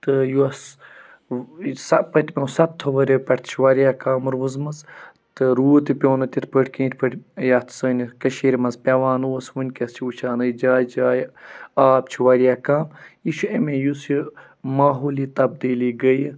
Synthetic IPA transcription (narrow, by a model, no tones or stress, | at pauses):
t̪ɨjuɐs | sɐpɐt̪ʲmʲeusɐt̪ʰːoʋɐɾʲopʲɐʈt̪ʰt͡ʃʰiʋɐɾijaːkaːmɾoːzmɐz | t̪ɨɾuːt̪ipʲoːnɨt̪ʲit̪̚ʰpəʈʰʲkĩːnt̪ʰʲpəʈʲjɐt̪ʰsɐːnʲkɐʃeːɾʲmɐzpʲɐʋaːnuɐsʋunʲkʲɐst͡ʃʰiut͡ʃʰaːnɨjd͡ʒaːjd͡ʒaːjaːp̚t͡ʃʰiʋɐɾʲjaːkaːmiʃuemẽjusi | maːɦoːlit̪ɐb̚d̪iːliːɡəj